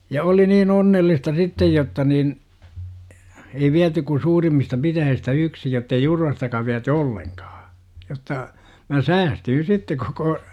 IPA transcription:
jɑ oli niːn onːelːistɑ sitːej jotːɑ nin ei ʋiæty ku suːrimːistɑ pitæjihistæ yksi jotːei jurʋɑstɑkɑ ʋiæty olːeŋkɑ̥ː jotːɑ mæ sæːstyːn̞ sitːe koko

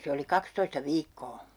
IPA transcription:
se oli kɑkstoistɑ ʋiːkːoː

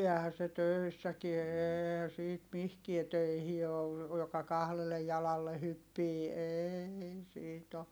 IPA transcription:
ɛːhæ se tøˑisːækie eːehæ siːt mihkie tøihi oː jokɑ kɑhlelːe jɑlɑlːe hypːiː eːei siːt o

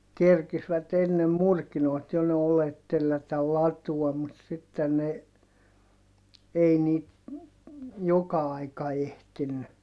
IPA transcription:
kerkisʋæt enːem murkinoit jo ne olet telːætætæl lɑtuɔm mut sitːen ne ei niːt jokɑ ɑikɑ ehtinːy

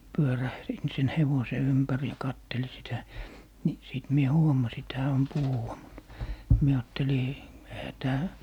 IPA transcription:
pyøræhrin siːn heʋose ympær jɑ kɑtːeli sitæ ni siˑt mie huomɑsi et hæː om puhuwɑ mut mie ɑːtːeli ehæ tæː

